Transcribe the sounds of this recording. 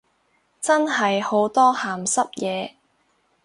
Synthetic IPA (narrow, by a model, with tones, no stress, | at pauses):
t͡sɐ˥nɦɐ˨jho˨˥wt̪ɔː˥haː˨˩msɐ˥p̚jɛː˨˧